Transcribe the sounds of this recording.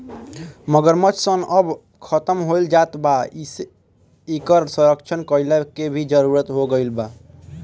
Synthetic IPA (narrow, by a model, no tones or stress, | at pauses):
məɡəɾmət͡ʃʰsənəb | kʰət̪əmɦojld͡ʒat̪ba | ikəɾsə̃ɾəkt͡ʃʰənkəilekebʱid͡ʒəɾuɾət̪ɦoɡəjlba